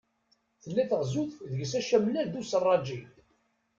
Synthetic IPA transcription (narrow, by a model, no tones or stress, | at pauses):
θəlːæθəʁzuθðəʝəsæʃæmlæd̪usərˤːɑd͡ʒil